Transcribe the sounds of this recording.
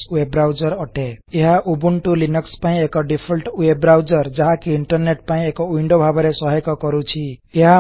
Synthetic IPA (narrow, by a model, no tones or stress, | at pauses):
swebɾawd͡ʒɔɾɔʈeeɦaʔubuɳʈulinɔkspaĩekɔɖipʰɔlʈwebɾawd͡ʒɔɾd͡ʒaɦãkiiɳʈɔrneʈ̚paĩekɔwiɳɖobʱabɔɾesɔɦɔkɔkɔɾut͡ʃʰieɦa